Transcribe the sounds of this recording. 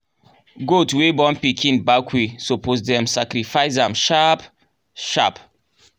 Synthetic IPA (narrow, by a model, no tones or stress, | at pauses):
ɡotwebɔ̃npikʰĩnbakʰwesopozdɛ̃msakɾifaɪzãmʃap | ʃa̰p